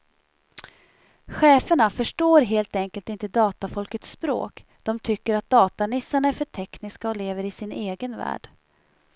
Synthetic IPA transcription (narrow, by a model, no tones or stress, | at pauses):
ɧɛːfəɳafœʂʈoːɾɦeːlt̪ɛŋkəlt̪ɪnt̪əd̪ɑːt̪afɔlkət̪spɾo̰ːk | d̪̥ɔmt̪ʰʏkːəɾat̪̚d̪ɑːt̪anɪsːaɳaɛɾfœʈʰɛknɪskaɔleːvəɾɪsɪneːɡənvæ̰ːɖ̥